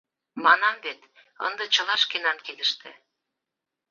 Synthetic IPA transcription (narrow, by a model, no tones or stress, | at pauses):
mɑnɑmβet̪ | ə̰nd̪ɤ̆t͡ɕə̆lɑʃkenɑnked̪ə̆ʃt̪ḛ̆